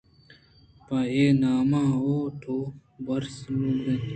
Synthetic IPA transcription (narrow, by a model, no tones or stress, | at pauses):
paeːnaːmãːoːʈʰoːbɐɾsluːd̪ẽ